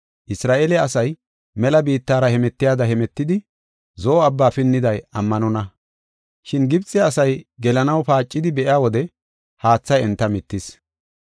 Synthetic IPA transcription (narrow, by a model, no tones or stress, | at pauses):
ʔɪsɾaːʔelɛɐsɐj | mɛlɐbiːt̪ːaːɾɐhɛmɛt̪ːɪjaːd̪ɐhɛmɛt̪ːɪd̪ɪ | zɔɔɐbːaːfɪnːɪd̪ɐjɐmːɐnɔnɐ | ʃɪnɡɪbt͡sʼːɛɐsɐjɡɛlɐnɐwpaːt͡ʃʼːɪd̪ɪbɛʔɪjaːwɔd̪ɛ | haːt͡sːɐjɛnt̪ːɐmɪt̪ːɪs